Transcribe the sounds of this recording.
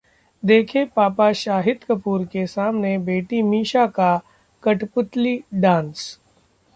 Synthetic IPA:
d̪eːkʰepaːpaʃaːɦɪd̪kəpuːɾkesaːmnebeːʈimiːʃaka | kɐʈpʊt̪liɖãːns

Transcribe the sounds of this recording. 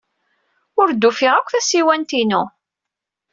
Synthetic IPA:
ʊɾd̪ːufɪʁækʷːθæsiwænt̪inu

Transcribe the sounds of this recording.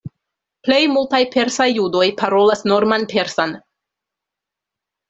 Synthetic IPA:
ple̞jmultajpe̞ɾsajːudo̞jpaɾo̞lasno̞ɾmanpe̞ɾsan

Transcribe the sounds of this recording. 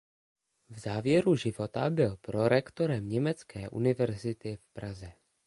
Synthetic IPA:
vzaːvjɛɾuʒɪvo̞t̪abɪlpɾo̞ɾɛkt̪o̞ɾɛmɲɛmɛt͡skɛːʔṵnɪvɛɾzɪt̪ɪfpɾazɛ

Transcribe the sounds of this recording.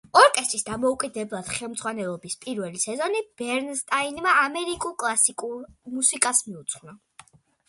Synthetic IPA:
ɔɾkʼɛst̪ʼɾisd̪amɔukʼid̪ɛblˠad̪̥χɛlˠmd̪zʁwanɛlˠɔbispʼiɾvɛlisɛzɔnib̥ɛɾnst̪ʼainmaamɛɾikʼulˠkʼlˠasikʼuɾmusikʼasmiut̪sʰχwna

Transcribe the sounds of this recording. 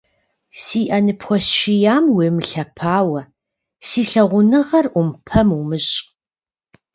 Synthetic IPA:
siːʔɐnɨpʰxʷɔsʃɪjaːmweːmɬɐpʰaːwɐ | siːɬɐʁʷʊnɨʁɐrʔʷʊmpʰɐmumɨɕʼ

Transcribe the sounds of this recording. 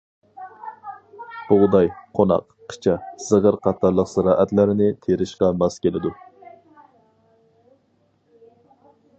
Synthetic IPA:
b̥ʊʁd̪ɑjqʰonɑ̰q | qʰə̥t͡ʃʰɑz̥əʁəɾqʰɑt̪ʰɑɾlˠəqsɨɾɑːʔɛt̪lɪɾɪnɪt̪ʰeɾɪʃqɑmɑskʲelɪd̪u

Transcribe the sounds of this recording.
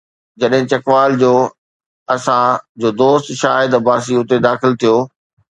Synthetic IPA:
d͡ʑɐɗɦɪ̃t͡ɕɐkʋaːld͡ʑoː | ɐsãd͡ʑoːd̪oːst̪ʃaːɪd̪baːs̬iʊt̪ed̪aːxɪlt̪ʰijoː

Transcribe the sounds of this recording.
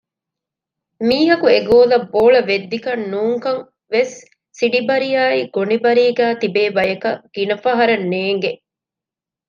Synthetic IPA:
miːɦɐkueɡoːlɐbːoːɭɐʋed̪ːikɐnːuːŋkɐŋ | ʋesː | iɖibɐɾijaːiɡonibɐɾiːɡæːt̪ibeːbɐjɐkɐɡ̥inɐfɐɦɐɾɐnːeːŋɡe

